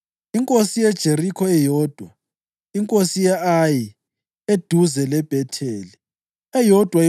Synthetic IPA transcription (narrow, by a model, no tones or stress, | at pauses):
iŋkʼosijɛd̥ʒ̥ʱerikʰɔɛjɔːd̥ʱwa | iŋkʼosijɛaji | ed̥ʱuzɛlɛb̥ʱɛtʰeːli | ɛjɔd̥ʱwa